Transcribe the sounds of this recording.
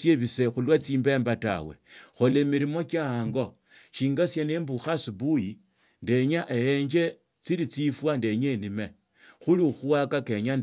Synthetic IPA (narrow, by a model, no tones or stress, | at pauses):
sjeβise̞xulwat͡siːmbe̞ːmbata̰we̞̰xo̞lemiɾimo̞kjaaːŋɡo | ʃiːŋɡasjanembuxasibuji | nde̞ɲaʔejeɲd͡ʒe̞ | t͡siɾit͡sifwande̞ɲenime | xulixuwakake̞ɲa